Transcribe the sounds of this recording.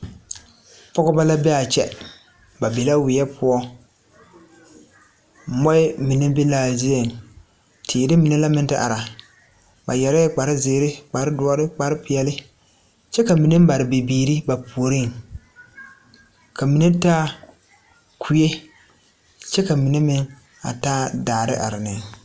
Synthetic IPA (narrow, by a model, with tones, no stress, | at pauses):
pɔ˦ɡʊ˦ba˦la˦bɛ˦a˨t͡ʃɛ̰˦ | ba˨be˨la˦wɪ˨jɛ˦pʊ˦ɔ˦ | mɔ˦ɪ˦mi˨nɪ˦bɪ˦laː˨zi˦e˨n˨ | tʰiː˨dɪ˦mɪ˨nɛ˦la˦mɪ˦n˦tɪ˦ʔa̰˨ɾa˨ | ba̰˨jɛ˨ɾɛ˦k͡pa˨ɾɪ˦zɪː˨˦ɾɪ˦k͡pa˨ɾɪ˦dʊ˦ɔ˦ɾɪ˦k͡pa˨ɾɪ˦pɪ˨ɛ˨lɪ˦ | t͡ʃɛ˦ka˨mi˨ne˦m˦ba˨ɾɪ˨be˨biː˨ɾi˦ba˨pʰu˨o˨ɾi˦˨ŋ | kʰa˨mi˨ne˦taː˦ | kʰu˦je˦ | t͡ʃɛ˦ka˨mi˨ne˦mɪ˦ŋ | a̰˨taː˦daː˨ɾɪ̰˦ʔa̰˨ɾɪ˨nɪ˨ŋ